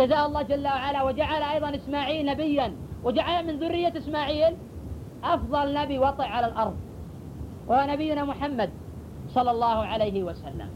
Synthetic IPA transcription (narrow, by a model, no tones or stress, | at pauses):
d͡ʒazaːʔɑlˤːɑːhd͡ʒalːawaʕalawɪd͡ʒaʕalaʔɑjðˤɑnʔɪsmaːʕiːlnabɪjːanwɪd͡ʒaʕalamɪnðʊrːɪjːaʔɪsmaːʕiːl | ʔɑfðˤɑlnabiwɑt̪ˤɨʕʕalalʔɑɾˤðˤ | wʔahwanabɪjːʊnamʊħamːad̪̚ | sˤɑlːɑlˤːɑːhʊʕalejɦɪwasalːa̰m